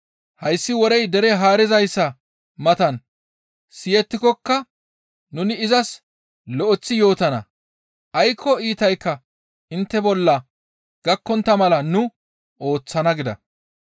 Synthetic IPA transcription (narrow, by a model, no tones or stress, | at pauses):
hɐjsːɪwɔɾɛjd̪ɛɾɛɦaːɾɪzɐjsːɐ | mɐt̪ɐn | sɪjɛt̪ːɪkɔkːɐ | nʊnɪːzɐs | lɔʔɔt͡sːɪjo̞ːt̪ɐnɐ̰ | ʔɐjkʰːɔiːt̪ɐjkːɐ | ʔɪnt̪ːɛbɔlːɐ | ɡ̥ɐkːɔnt̪ːɐmɐlɐnʊ | ʔo̞ːt͡sːɐnɐɡɪd̪ɐ̰